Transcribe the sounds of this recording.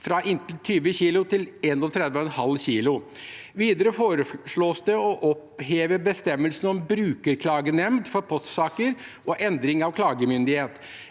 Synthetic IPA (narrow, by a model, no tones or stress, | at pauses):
fɾɑʔɪnt̪l̩t̪ʰyːʋəçiːlʊt̪ʰɪlɛnɔt̪ʰɾɛd̪ʋəɔɛnhɑlːɕiːlʊʋiːd̪əɾəfoːɾəʂɭoːsd̪ɛɔʔɔpheːʋəbəst̪ɛmːəlsnɔmbɾʉːkəɾkʰlɑːɡənɛmd̪fɔɾpʰɔst̪sɑːkəɾʔɔʔɛnd̪ɾɪŋɑʋkʰlɑːɡəmʏnd̪ɪheːt̪